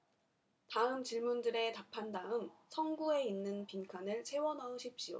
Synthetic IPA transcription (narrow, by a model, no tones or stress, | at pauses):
taɯmt͡ɕiɭmundɯɾe̞tapʰandaɯmsʰʌŋɡue̞inːɯnpinkʰanɯɭt͡ɕʰe̞wʌnaoɕʰip̚ɕ͈io̰